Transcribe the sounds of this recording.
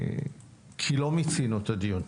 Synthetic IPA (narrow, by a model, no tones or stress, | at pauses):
kʰilɔmit̪inot̪ad̪ion